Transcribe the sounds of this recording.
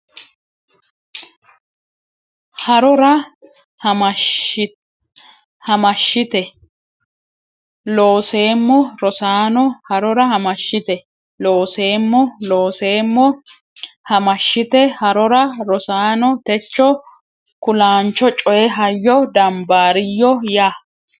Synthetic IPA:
hɐɾɔɾɐ | hɐmɐʃːɪt̪ɛ | lo̞ːse̞ːmːɔɾɔsaːnɔhɐɾɔɾɐhɐmɐʃːɪt̪ɛ | lo̞ːse̞ːmːɔlo̞ːse̞ːmːɔ | hɐmɐʃːɪt̪ɛhɐɾɔɾɐɾɔsaːnɔt̪ɛt͡ʃːɔ | kʊlaːnt͡ʃːɔt͡ʃʼɔjɛɦɐjːɔd̪ɐmbaːɾɪjːɔjaː

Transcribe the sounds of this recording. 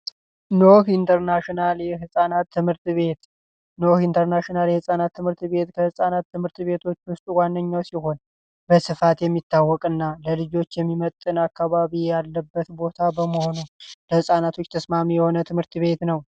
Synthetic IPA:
nohint̪ʰəɾnaʃinaljɛɦɨsʼanat̪ʰːɨmhɨɾt̪βe̞t̪ | nohint̪ʰəɾnaʃinaljɛhɨsʼanat̪ʰːɨmhɨɾt̪βe̞t̪kʰəhɨsʼanat̪ːɨmhɨɾt̪βe̞t̪ʰo̞t͡ʃːwʊst̪ʼwanːəɲːawsiɦo̞n | bəsɨfat̪jɛmːit̪ːawːɔkʼɨnːaləlɨd͡ʒo̞t͡ʃːjɛmːimət̪ʼɨnakːaβaβijalːəbːət̪bo̞t̪ʰabəməho̞nuləhɨsʼanat̪ʰo̞t͡ʃːt̪ʰəsmamijɛho̞nət̪ʰɨmɨɾt̪βe̞t̪nəw

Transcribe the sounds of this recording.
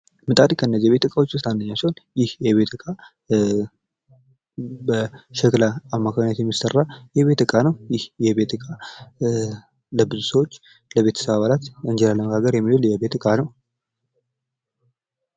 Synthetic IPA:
mɨt̪ʼaɾikʰəɨnːəziβe̞t̪ɨkʼawot͡ʃːwʊst̪ʰandəɲːawsəwonjɪhjɛβe̞t̪ʰɨkʼa | bəʃɛklaamːakʰaɡɲat̪jɛmːisərːajɛβe̞t̪ɨkʼanəwjɪhjɛβe̞t̪ɨkʼa | ləbɨzusəwot͡ʃː | ləβe̞t̪ʰə̥səβaβalat̪ɨɲd͡ʒɛlaləməɡaɡəɾjɛmːihuljɛβe̞t̪ɨkʼanəw

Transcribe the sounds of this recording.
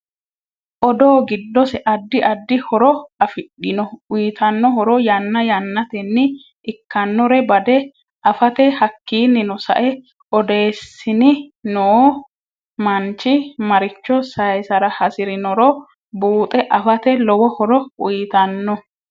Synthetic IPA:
ʔɔd̪oːɡɪd̪ːɔsɛʔɐd̪ːɪʔɐd̪ːɪhɔɾɔɐfɪɗɪnɔʊjt̪ʰɐnːɔhɔɾɔjɐnːɐjɐnːɐt̪ɛnːɪ | ʔɪkːɐnːɔɾɛbɐd̪ɛ | ʔɐfɐt̪ɛhɐkːiːnːɪnɔsɐ̰ʔɛ | ʔɔd̪e̞ːsːɪnɪnoː | mɐnt͡ʃːɪmɐɾɪt͡ʃːɔsɐjsɐɾɐhɐsɪɾɪnɔɾɔ | buːt̪ʼɛʔɐfɐt̪ɛlɔwɔhɔɾɔʊjɪt̪ɐnːɔ

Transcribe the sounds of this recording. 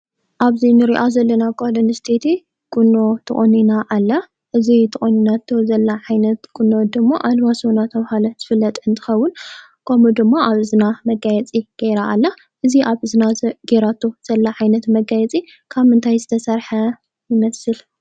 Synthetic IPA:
ʔaβzinɨɾiʔazɐlːɐnaɡalonɨst̪ʰet̪ʰi | kʼunːo̞t̪ʰɨ̰χʼoninaʔalːa | ʔɨzit̪ʰɨʔʼoninat̪ʰːozɐlːaʕajnɐt̪kʼunːod̪ɨmːoʔalβasonat̪ʰɐβhalɐz̥ɨfɨlːɐt̪ʼɨnt̪ʰɨ̥xɐwːʊn | kʰɐmud̪ɨmːaʔaβɨzɨnamɐɡajɛt͡sʼiɡ̥eɾaʔːlːa | ʔɨziʔaβɨzɨnaɡeɾat̪ʰːoz̥ɐlːaʕajnɐt̪mɐɡajɛt͡sʼi | kʰaβmɨnt̪ʰajzɨt̪ʰɐsɐɾħa | jɪmɐsɨl

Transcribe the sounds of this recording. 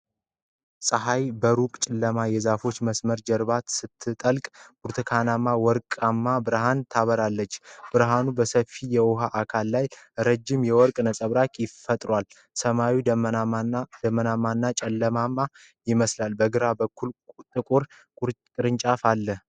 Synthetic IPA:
sʼəɦajbəɾukʼt͡ʃʼɪlːəmajɛzafo̞t͡ʃːməsməɾd͡ʒɛɾbat̪sɨt̪ʰːɨt̪ʼəlkʼb̥uɾt̪ʰɨkʰanamːawɔɾkʼamːabɨɾɦant̪ʰaβəɾalːət͡ʃːb̥ɨɾɦanubəsəfijɛwʊɦaʔakʰalːajɾəd͡ʒːɪmjɛwɔɾkʼnəsʼəβɾakʼjɪfət̪ʼɾwal | səmawi | d̪əmːənamːanːat͡ʃʼɛlːəmamːa | jɪməslalbəɡɨɾabəkʰːult̪ʼɨkʼuɾʼ | ɾʼɨɾɨnt͡ʃʼafalːəh

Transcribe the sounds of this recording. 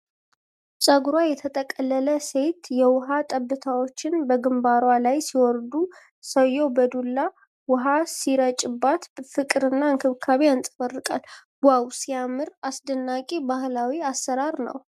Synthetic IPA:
t͡ʃʼaɡuɾwajɛt̪ʰət̪ʼəkʼəlːələse̞t̪jɛwʊɦat̪ʼəbːɨt̪ʰawo̞t͡ʃːɪnbəɡɨmbaɾwalajsiwɔɾd̪u | səjːobəd̪ulːa | wʊɦasiɾət͡ʃʼɪbːat̪fɨkʼɨɾɨnːaɨŋkʰɨβkʰaβeansʼəbərːɨkʼa̰l | wawsijamːɨɾasd̪ənːakʼebahlawiasːəɾaɾnə̰w

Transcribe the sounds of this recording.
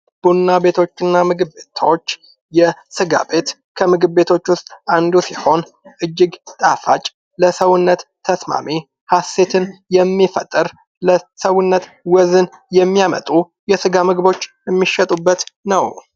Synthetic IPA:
b̥unnabe̞t̪ʰo̞t͡ʃːɨnːamɨɡɨbe̞t̪ʰwot͡ʃː | jɛsɨɡa̰be̞t̪ | kʰəmɨɡɨbːe̞t̪ʰo̞t͡ʃːwʊst̪ʼʔand̪usiho̞n | ʔɨd͡ʒːɪɡt̪ʼafat͡ʃʼ | ləsəwʊnːət̪ʰːəsma̰mi | hase̞t̪ʰɨnjɛmːifət̪ʼːɨɾ | ləsəwʊnːət̪wɔzɨnjɛmːijamə̰t̪ʼu | jɛsɨɡamɨɡbo̞t͡ʃːjɛmːiʃɛt̪ʼubːət̪nəw

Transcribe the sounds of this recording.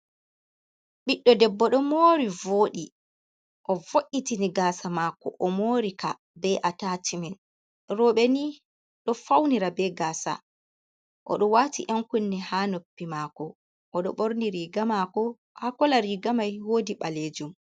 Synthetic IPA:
ɓiɗːɔdɛbːɔɗɔmoːɾivoːɗi | ʔɔvoʔːitiniɡaːsamaːkɔ̰ʔɔmoːɾika | bɛʔatatimɛn | ɾɔɓɛni | ɗɔfawniɾabɛɡaːsa̰ | ʔɔ̰ɗɔwaːtiʔɛŋkunːɛhanopːimaːkɔ | ʔɔɗɔ̰ɓoɾniɾiɡamakɔ | hakɔlaɾiɡamajhoːdiɓaled͡ʒum

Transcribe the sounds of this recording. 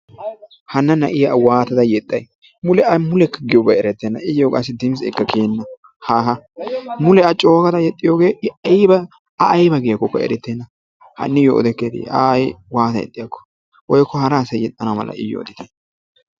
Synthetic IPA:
hɐnːɐnɐʔɪjwaːt̪ɐd̪ɐjɛt̪ʼːɐj | mʊlɛɐmʊlɛkːɐɡɪjɔbɐɛɾɛt̪ːeːnːɐʔɪjokʼɐsːɪd̪ɪms̬ɛ̰kːɐkʰeːnːɐ | haɦɐmʊlɛɐt͡ʃʼo̞ːkɐd̪ɐjɛt̪ʼːɪjoːɡe̞ːjbɐ | ɐʔːjbɐɡɪjɐkːɔkːɐ̰ɛ̰ɾɛt̪ːeːnːɐ | hɐ̰nːɪjɔʔɔ̰d̪ɛkːed̪ḭɐ̰jwaːt̪ɐjɛ̰t̪ʼːɪjɐkːɔ̥ | wɔjkːɔhɐɾaːsɐjjɛt̪ʼːɐnɐmɐ̰lɐ̰ɪ̰jɔ̰ɔ̰d̪ɪt̪ɐj

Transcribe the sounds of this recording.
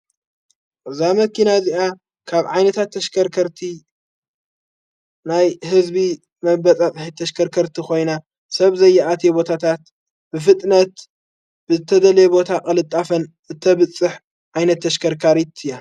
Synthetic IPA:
ʔɨzamɐkinaziʔa | kʰaβʕajnɐt̪ʰat̪ʰːɐʃkʰɐɾkʰɐɾt̪ʰi | najhɨzbi | mɐbɐt͡sʼat͡sʼħit̪ʰːɐʃkʰɐɾkʰɐɾt̪ʰixo̞jna | sɐβzɐjːaʔat̪ʰebo̞t̪ʰat̪ʰat̪ | bɨf̬ɨt̪ʼnɐt̪ | b̥ɨzɨt̪ʰɐd̪ɐlebo̞t̪ʰakʼɐlɨt̪ʼːafɐnʔɨt̪ʰːɐβɨt͡sʼːɨħ | ʕajnɐt̪ːɐʃkʰɐɾkʰaɾit̪ʰɨja

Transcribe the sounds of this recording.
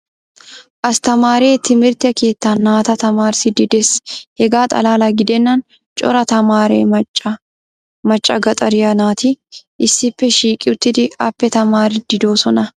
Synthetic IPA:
ʔɐst̪ɐmaːɾe̞ːt̪ːɪmɪɾt̪ɛke̞ːt̪ːaːnːaːt̪ɐt̪ɐmaːɾsɪd̪ɪd̪ɛshɛɡaːt̪ʼɐ̰laːlaɡɪd̪ɛnːɐn | t͡ʃʼɔ̰ɾɐt̪ɐmaːɾḛːɐt͡ʃɐ | mɐt͡ʃʼːɐɡɐt̪ʼɐɾɪjɐnaːt̪ɪʔɪsːɪpːɛʃiːkʼɪʊt̪ːɪd̪ɪɐpːɛt̪ɐmaːɾɪd̪̥ɪd̪o̞ːsɔnɐ

